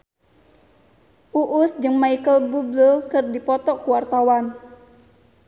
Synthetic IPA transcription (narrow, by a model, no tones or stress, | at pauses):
ʔuʔʊsd͡ʒɨŋmaikəlbubləlkɨrdipɔt̪ɔkuwart̪awan